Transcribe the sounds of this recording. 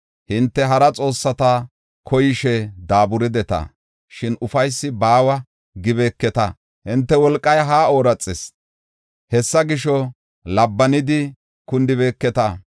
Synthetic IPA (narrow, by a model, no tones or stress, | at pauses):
hɪnt̪ːɛɦɐɾɐt͡sʼo̞ːsːɐt̪ɐ | kʰɔjɪʃɛd̪aːbʊɾɪd̪ɛt̪ɐ̰ | ʃɪnʔʊfɐjsːɪbaːwɐ | ɡɪβeːkːɛt̪ɐ̰ | hɪnt̪ːɛwɔlkʼːɐjɦaːoːɾɐt͡sʼːɪs | hɛsːɐɡɪʃɔ | lɐbːɐnɪd̪ɪ | kʊnd̪ɪβeːkːɛt̪ɐ